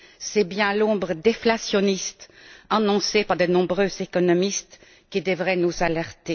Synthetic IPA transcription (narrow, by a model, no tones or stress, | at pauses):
sɛbjɛ̃lɔ̃bʁəd̪eflasjɔnist̪anɔ̃sepaʁd̪ənɔ̃bʁøːzekɔnɔmist̪ | kid̪əvʁɛnuzalɛʁt̪e